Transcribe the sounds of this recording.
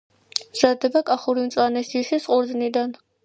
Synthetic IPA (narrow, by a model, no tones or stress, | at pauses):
z̥ad̪ɛbakʼaχuɾimt̪sʼanɛsiʃisqʼuɾznid̪an